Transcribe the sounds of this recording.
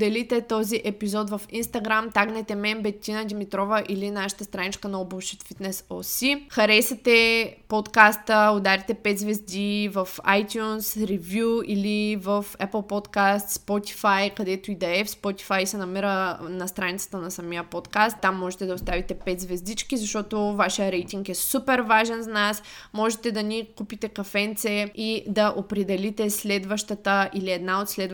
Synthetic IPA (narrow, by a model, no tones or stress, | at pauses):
d̪ɛlit̪ɛt̪ɔziʔɛpizɔt̪vɐfinst̪ɐɡɾamt̪aɡnɛt̪ɛmɛmbɛt̪ːinəd̪imit̪ɾɔvəʔilinaʃə̥t̪əst̪ɾanit͡ʃkənɐɔbulˠʃit̪fit̪nɛsosixɐɾɛsɐt̪ɛpot̪kast̪əʊd̪aɾit̪ɛpɛt̪zvɛzd̪ivɐfa̰jt̪ʲjunsɾivjuilivɐfɛpəlˠpɔt̪kast̪spɔt̪i̥fajkɐd̪ɛt̪oid̪ɐɛfspɔt̪i̥fajisɛnɐmiɾənɐst̪ɾanʲit̪sə̥t̪ənɐsɐmijəpɔt̪kast̪ːamːɔʒɛt̪ɛd̪ɐost̪avit̪ɛpɛt̪zvɛzd̪it͡ʃkizɐʃt̪ɔt̪ovaʃijəɾɛjt̪iŋkɛsupɛɾvaʒɛnzɐnasmɔʒɛt̪ɛd̪ɐnikupit̪ɛkɐfɛnt̪sɛid̪ɐʔopɾɛd̪ɛlit̪ɛslɛd̪vəʃt̪ət̪əʔiliɛd̪naot̪slɛd̪